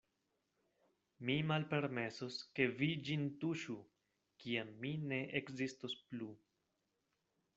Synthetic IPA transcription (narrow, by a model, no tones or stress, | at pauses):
mimalpe̞ɾme̞soske̞vid͡ʒintuʃu | kiamːine̞ʔekzistosplu